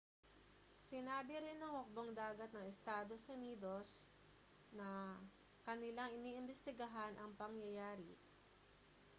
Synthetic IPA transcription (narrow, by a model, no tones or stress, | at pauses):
sɪnaːbɪɾɪnːɐŋwʊk̚boŋd̪aːɡɐt̪̚nɐŋɛst̪aːd̪o̞sʔʊniːd̪o̞s | nɐ | kɐnɪlaŋɪniːʔɪmbɛst̪ɪɡɐɦanʔɐŋpɐŋjɐjaːɾɪ